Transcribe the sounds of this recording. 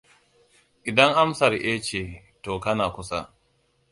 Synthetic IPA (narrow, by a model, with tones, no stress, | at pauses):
ʔɪ˨dɐ˦ŋʔa˦msɐ˨rʔeː˦t͡ʃeː˨ | toː˨kɐ˦naː˨kʷʊ˦sa̰˦